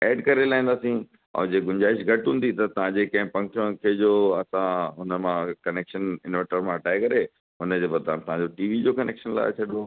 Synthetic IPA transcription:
ɛːɖkɐɾelaːĩːn̆d̪aːsĩ | ɔ̰ːd͡ʑeɡʊɲd͡ʑaːɪʃɡʱɐʈɦũːn̆d̪it̪ɐt̪ɐʋ̤ãd͡ʑekɐ̃ɦɪ̃pɐ̃ŋkəɽ̃kʰed͡ʑoːɐsãɦʊnəmãkɐneːkʃənɪnʋɛ̃ʈəɾmãɐʈaːekɐɾe | ɦʊnəd͡ʑebɐt̪ãt̪ɐɦãɲd͡ʑoʈiːʋid͡ʑokɐnḛːkʃənla̰ːet͡ɕʰɐɗo

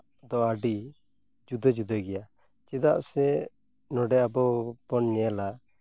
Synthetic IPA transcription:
d̪ɔaɖi | d͡ʒud̪əd͡ʒud̪əɡɛja | d͡ʒɛd̪aʔsɛ | nɔɖɛabɔbɔnɲɛla

